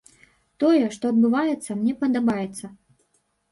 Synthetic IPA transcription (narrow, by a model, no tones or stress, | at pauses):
t̪ɔjɛʂt̪ɔɐd̪bɨvajɛt̪sːɐmnʲɛpɐd̪abajɛt̪sːɐ